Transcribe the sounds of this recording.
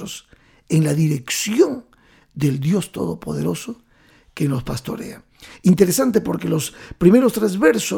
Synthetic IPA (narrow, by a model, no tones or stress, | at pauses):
os | eŋlaðiɾe̞ksjon | d̪e̞ld̪jo̞st̪o̞̰ðo̞po̞ðe̞ɾo̞so | keno̞spast̪o̞̰ɾḛa | int̪eɾesant̪epo̞ɾkelo̞spɾime̞ɾo̞st̪ɾezβeɾso